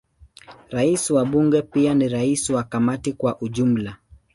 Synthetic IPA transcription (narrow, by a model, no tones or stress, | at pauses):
ɾaisiwaɓuŋɡɛpianiɾaisiwakamatikwaʔuʄum̩la